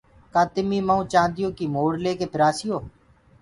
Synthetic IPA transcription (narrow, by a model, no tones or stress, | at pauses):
kãːt̪ɪmiːməːũːt͡ʃãːnd̪ɪjõːkiːmoːɽleːkeːpʰɪɾaːsiːjoː